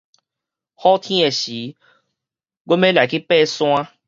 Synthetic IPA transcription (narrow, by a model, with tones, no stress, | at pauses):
xɔ˦t̪ʰĩ˦e˨ɕi˨˦ | ɡo˦mẽ˦la˨ki˦pɛ˦˧sw̃ã˦